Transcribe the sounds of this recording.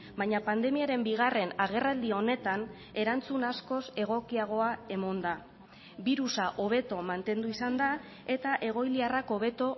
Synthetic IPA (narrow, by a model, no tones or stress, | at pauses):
baɲapand̪e̞miaɾe̞mbiɣ̞are̞naɣ̞e̞rald̪io̞ne̞t̪an | e̞ɾant͡sunasko̞se̞ɣ̞o̞kiaɣ̞o̞ae̞mo̞nd̪a | βiɾusaʔo̞β̞e̞t̪o̞mant̪e̞nd̪uisand̪a | e̞t̪aʔe̞ɣ̞o̞jliarako̞βe̞t̪o̞